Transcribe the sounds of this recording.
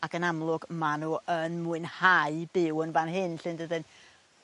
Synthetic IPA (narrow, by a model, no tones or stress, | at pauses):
akənamlˠʊɡmanuːʔənmuɨnhaɨbɪwənvanɦɨnɬɨndədɨn